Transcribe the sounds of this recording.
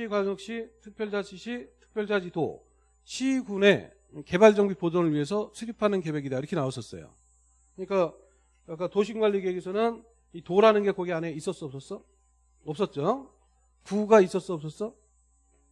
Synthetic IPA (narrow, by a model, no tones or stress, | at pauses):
ɕiɡwaŋjʌk̚ɕ͈itʰɯk̚pʰjʌɭd͡ʑad͡ʑʰiɕʰitʰɯ̥k̚pʰjʌɭd͡ʑad͡ʑito̰ | ɕʰiɡune̞ | ke̞baɭd͡ʑʌŋɡipodonɯɭɥiɦesʰʌsʰeɾipʰanɯnke̞be̞ɡidaiɾʌkʰenaos͈ʌs͈ʌ̰jo̰ | kɯɲik͈a | ak͈atoɕʰiŋɡwaʎːiɡeɡisʰʌnɯn | itoɾanɯnɡe̞kʌɡeane̞is͈ʌs͈ʌpsʌs͈ʌ | ʌp̚s͈ʌt̚t͡ɕ͈o | puɡais͈ʌs͈uʌp̚s͈ʌs͈ʌ